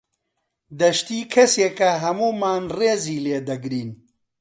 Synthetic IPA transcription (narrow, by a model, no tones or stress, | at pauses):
d̪ɐʃt̪iːkʰɐseːkɐɦɐmuːmaːnreːziːleːd̪ɐɡɾiːn